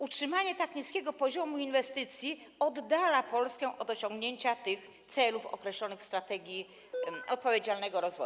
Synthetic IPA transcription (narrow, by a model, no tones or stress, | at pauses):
utʂɘmaɲɛt̪akijskʲɛɡɔpɔʑɔmuinvɛst̪ɘt̪sʲji | ɔd̪ːalapɔlskɛ̃w̃ʔɔd̪ɔɕɔŋɡɲeɲt͡ɕat̪ɘx | t̪sɛlufɔ̰kɾɛɕlɔnɘxfst̪ɾat̪ɛɡʲji | ɔt̪̚pɔvʲjed͡ʑalnɛɡɔɾɔzvɔ̰j